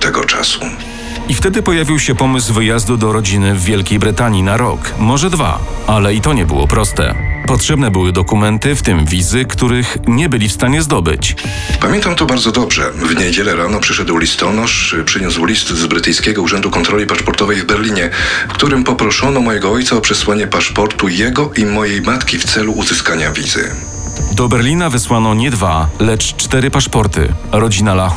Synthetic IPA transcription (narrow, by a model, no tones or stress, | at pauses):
t̪ɛɡɔ̰t͡ʂa̰sṵ | ift̪ɛd̪ɘpɔjavʲiwɕɛpɔmɘs̬vɘjazd̪ud̪ɔɾɔd͡ʑinɘvʲːjɛlkʲejbɾɘt̪aɲinaɾɔkmɔʐɛd̪va̰alɛit̪ɔɲɛbɘ̰wɔ̰pɾɔst̪ɛ̰pɔtʂɛbnɛbɘwɘd̪ɔkumɛnt̪ɘft̪ɘmvʲizɘkt̪uɾɘxɲɛbɘlʲifst̪aɲɛzd̪ɔbɘ̰t͡ɕ | pamʲjɛnt̪amt̪ɔbaɾd̪zɔd̪ɔbʐɛvɲed͡ʑɛlɛɾanɔpʂɘʂɛd̪wlʲist̪ɔnɔʂpʂɘɲuswlʲist̪zbɾɘt̪ɘjskʲɛɡɔuʐɛnd̪ukɔnt̪ɾɔlʲipaʂpɔɾt̪ɔvɛjvbɛɾlʲiɲɛfkt̪uɾɘmpɔpɾɔʂɔnɔmɔjɛɡɔɔjt̪saɔpʂɛswaɲɛpaʂpɔɾt̪ujɛɡɔʔimɔjejmat̪kʲift̪sɛluːzɘskaɲavʲizɘ̰ | d̪ɔbɛɾlʲinavɘswanɔɲɛd̪valɛt͡ʂt͡ʂt̪ɛɾɘpaʂpɔɾt̪ɘ̰ɾɔd͡ʑinalax